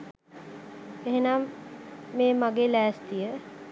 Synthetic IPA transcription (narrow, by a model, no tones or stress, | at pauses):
eɦenamː | eːmaɡelæːst̪ijə